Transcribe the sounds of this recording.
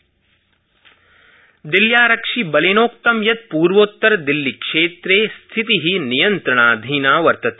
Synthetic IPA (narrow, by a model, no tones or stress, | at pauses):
d̪iljaːɾɐkʂibɐleːnoːk̚t̪ɐmjɐt̪̚puːɾʋoːt̪ːɐɾɐd̪ilːikʂeːt̪ɾeːst̪ʰit̪iɦinijɐnt̪ɾɐɳaːd̪ʱiːnaːʋɐɾt̪ɐt̪e̥